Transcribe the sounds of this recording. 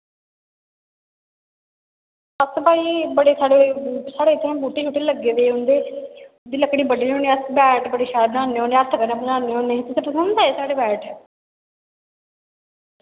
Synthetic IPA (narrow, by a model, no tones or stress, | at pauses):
əsbaːiːbəɽeːsaːɽeːsaːɽeːɪt̪ʰːẽbuːʈeːt͡ʃʰuːʈːeːləɡːeːd̪eːɦʊnd̪eː | d̪iːləkɽiːbəɖiːɦoːneːəsbɛːʈbəɽeːʃaːbnãːneːɦoːneːəɾt̪ʰkəɾnãːbənãːnːeːɦoːneːt̪ʊsẽːpəsənd̪aːeːsaːɽeːbɛːʈ